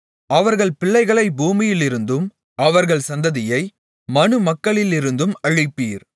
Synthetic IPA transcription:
ɐʋɐɾɣɐɭpɪɭːɐɪɣɐɭɐɪbuːmɪjɪlɪɾɯnd̪ɯm | ʔɐʋɐɾɣɐɭsɐnd̪ɐðɪjɐɪ | mɐnɯmɐkːɐɭɪlɪɾɯnd̪ɯmɐɻɪpːiːɾ

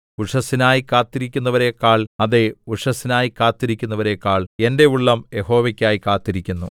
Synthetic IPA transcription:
uʂɐsinaːjikaːt̪ːiɾikʲːunːɐʋɐɾekːaːɭɐðeuʂɐsinaːjikaːt̪ːiɾikʲːunːɐʋɐɾe̞kːaːɭe̞nde̞uɭːɐmje̞ho̞ːʋɐkʲːaːjikaːt̪ːiɾikʲːunːṵ

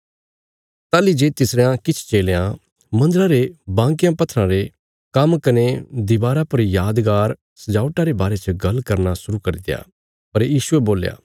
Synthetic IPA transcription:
t̪aːlid͡ʒeːt̪ɪsɾeãkɪt͡ʃʰt͡ʃeːlejã | mɐ̃nd̪əɾaɾebãːŋkɪjãpɐt̪ʰːɾãɾe | kɐmkɐned̪ɪbaːɾapɐɾjaːd̪ɡaːɾ | sɐd͡ʒaːʊʈaɾebaːɾet͡ʃəɡɐlkɐɾnasʊɾukɐɾid̪eja̰ː | pɐɾjiːʃueboːlja̰ː

